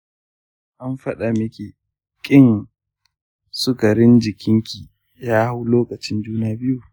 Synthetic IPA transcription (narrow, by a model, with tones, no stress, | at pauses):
ʔa˦mɸɐ˦ɗa˨mɪ˦kʲe˨ | kʲʼɪ˦n | sʊ˦ka˨ɾɪ˦nd͡ʒɪ˨kʲʰɪ˦ŋkʲi˨ | jaː˦hʊ˦loː˦kɐ˨t͡ʃɪ˦nd͡ʒuː˦naː˦bɪ˦ju˨